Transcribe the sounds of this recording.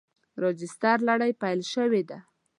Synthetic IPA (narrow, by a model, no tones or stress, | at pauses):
ɾɑd͡ʒɪst̪aɾlaɽajpajlʃəwed̪a